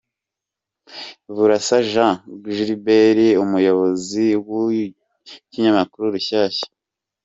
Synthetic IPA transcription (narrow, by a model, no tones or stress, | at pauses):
βuɾasaʒãɡʒiɾibeɾiumujo̞βo̞ziwu | kiɲamakuɾuɾuçaːçḁ